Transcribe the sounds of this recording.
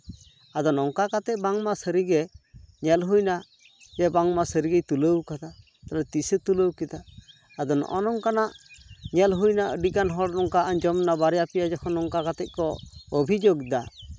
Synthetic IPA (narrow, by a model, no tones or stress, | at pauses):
ad̪ɔnɔŋkakat̪ɛʔ̚baŋmasəɾiɡɛɲɛlɦujna | d͡ʒɛbaŋmasəɾiɡɛjt̪uləwkad̪a | t̪alɛt̪isət̪uləwkɛd̪aː | d̪ɔnɔ̰ʔɔnɔŋkanaʔɲɛlɦujnaʔəɖikanɦɔɽnɔŋkaʔaɲd͡ʒɔmnabaɾjapijad͡ʒɔkʰɔnɔŋkakat̪ɛt̪̚kɔɔbʱid͡ʒoɡd̪a